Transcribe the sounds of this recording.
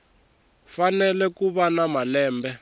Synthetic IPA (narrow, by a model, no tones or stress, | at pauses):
fanɛlɛkuɓanamalɛːmbɛ